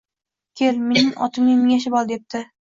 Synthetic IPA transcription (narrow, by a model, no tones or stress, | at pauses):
kʲʰelmenɪŋʔɒ̰t̪ʰɪmnɪmɪŋʲaʃ̬ɪbɒlˠd̪e̞p̚t̪ʰɪ